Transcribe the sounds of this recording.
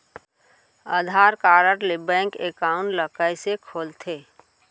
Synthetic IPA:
əd̪ʱaːɾkaːɾəɾlebɛ̃ːŋkekaʊɳʈləkəjsekʰoːlt̪ʰeː

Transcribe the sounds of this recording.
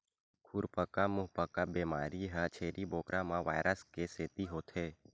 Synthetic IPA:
kʰʊɾpəkamʊɦpəkabeːmaːɾiɦat͡ʃʰeːɾʔiboːkɾamãʋa̰ːɪɾʔəskeseːt̪iɦoːt̪ʰeː

